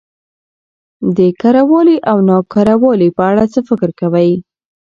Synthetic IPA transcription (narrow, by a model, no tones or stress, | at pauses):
d̪əkaɾawɑliʔawnɑkaɾawɑlipəaɽat͡səfɪkɾkawaj